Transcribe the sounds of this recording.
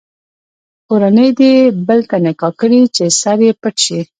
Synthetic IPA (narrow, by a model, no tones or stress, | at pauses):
koɾanəjd̪ebəlt̪anɪkɑkəɽit͡ʃesaɾjepəʈʃi